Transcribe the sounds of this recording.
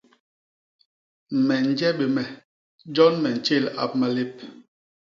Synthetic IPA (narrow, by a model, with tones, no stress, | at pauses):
mɛ˨n̩˨d͡ʒɛ˦ɓe˨mɛ˨ | d͡ʒɔ˦nmɛ˨n̩˨t͡ʃe˦˨la̰˦˨p̚ma˨le˦p̚